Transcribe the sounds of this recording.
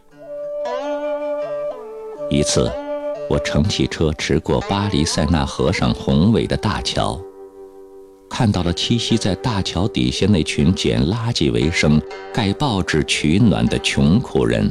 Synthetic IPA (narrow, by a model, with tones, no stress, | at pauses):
i˧˥t͡sʰɹ̩˥˩wɔ˨˩ʈ͡ʂʰɤ˧˥ŋt͡ɕʰi˥˩ʈ͡ʂʰɤ˥ʈ͡ʂʰɻ̩˧˥kwɔ˥˩pa˥li˧˥sa˥˧ɪna̰˥˩xɤ˧˥ʂɑ̰˨˩ŋxʊ˧˥ŋwe˨˩ɪd̪ə˦t̪a̰˥˩t͡ɕʰjɑ̰˧˥ʊ | kʰa˥˧nt̪ɑ˥˩ʊlə˩t͡ɕʰi˥ɕi˥t͡sa˥˧ɪt̪a˥˩t͡ɕʰjɑ˧˥ʊt̪ḭ˨˩ɕjɛ˥˧ne˥˩ɪt͡ɕʰy˧˥nt͡ɕjɛ̰˨˩nla˥t͡ɕi˥˩wḛ˧˥ɪʂɤ˥ŋka˥˧ɪpɑ˥˧ʊʈ͡ʂɻ̩˥˩t͡ɕʰy˧˥nwa̰˨˩nd̪ə˦t͡ɕʰjʊ˧˥ŋkʰu˨˩ɻə̰˧˥n